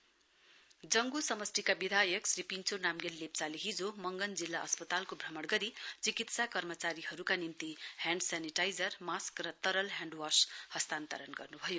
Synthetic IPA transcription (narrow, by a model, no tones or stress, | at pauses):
d͡zʌŋɡusʌmʌst̪ikabid̪ʱajʌksripint͡sʰonamɡelːep̚t͡saleɦid͡zomʌŋɡʌnd͡zilːaʌspʌt̪alkobʱrʌmʌɽɡʌɾit͡sikit̪sakʌrmʌt͡saɾihʌɾukanimt̪ihjãɳɖsaniʈajd͡zʌrmaskrʌt̪ʌɾʌlɦjãɳɖwashʌst̪ant̪ʌɾʌnɡʌrnubʱʌjo